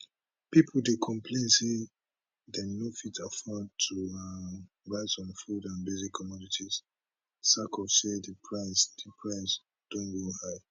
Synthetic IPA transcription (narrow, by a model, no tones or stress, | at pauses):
pipʰoldekʰɔ̃mpʰlẽnse | denofitʰafɔd̚tʰua | ɹaɪzɔ̃nfudãnbezikʰːɔmɔditʰiz̥ | sakɔfsedəpʰɹaɪsdipʰɹaɪs | d̥õnɡohaɪ